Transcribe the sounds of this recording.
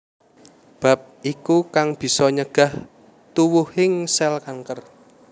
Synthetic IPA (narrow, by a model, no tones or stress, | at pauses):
b̥ä̤p̚ʔikukaŋb̥i̤sɔɲəɡ̥ä̤h | t̪uwuhɪŋsɛlkaŋkər